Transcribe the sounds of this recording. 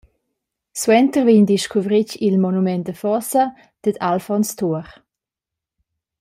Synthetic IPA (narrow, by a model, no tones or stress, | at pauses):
swɛntərviɲdiʃkʰuvɾicilmɔnumɛntdəfɔsə | d̪̥əd̪alfɔnstʰuəɾ